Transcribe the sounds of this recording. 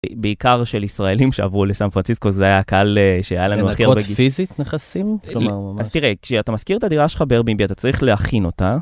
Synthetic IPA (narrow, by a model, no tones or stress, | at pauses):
be̞ikaʁʃe̞lisʁae̞limʃea̰vʁulesanfʁant͡sisko̞zeajakaaleʃejajalanuaχibeɡfizit̪neχasimkloaamazt̪iʁekʃeat̪amaskiʁet̪ad̪iʁaʃe̥χabeʁbimbiat̪at͡saʁiχleaχino̞t̪a